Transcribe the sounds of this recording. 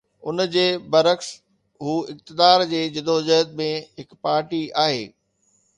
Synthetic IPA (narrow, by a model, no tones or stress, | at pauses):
ʊnd͡ʑeːbɐɾəks | ɦuːɪk̚t̪ɪd̪aːɾd͡ʑeːd͡ʑɪd̪ʱod͡ʑəɦəd̪̚mẽɦɪkpaːɾʈiaːɦeː